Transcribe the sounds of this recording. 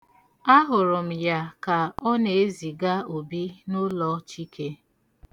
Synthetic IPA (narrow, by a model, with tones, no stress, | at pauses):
a˦ɦʊ˨ɾʊ˨m̩˨ja˦ka˨ɔ˦ne˨e˦zi˨ɡa˦o˨bi˦nʊ˦lɔ˨t͡ʃi˦ke˦